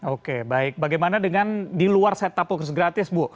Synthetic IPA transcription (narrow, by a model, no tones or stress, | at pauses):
okebaɪk̚baɡajmanadəŋandiluarsɛt̪ːapɔkrsɡɾat̪ɪsbu